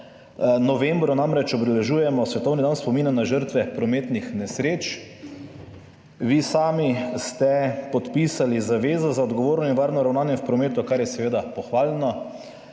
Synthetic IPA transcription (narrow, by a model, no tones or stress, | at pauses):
nɔʋembɾɔnamɾɛt͡ʃɔbd̪ɛlɛʒuːjɛmɔsʋɛt̪ɔwnid̪anspɔmiːnanːaʒəɾt̪ʋɛpɾɔmeːt̪nixnɛsɾeːt͡ʃ | ʋiːsaːmist̪ɛpɔt̪piːsalizaʋeːzazaɔd̪ɡɔʋoːɾnɔinʋaːɾnɔɾawnaːnjɛwpɾɔmeːt̪ʊkaɾjɛsɛʋeːd̪apɔxʋaːlnɔ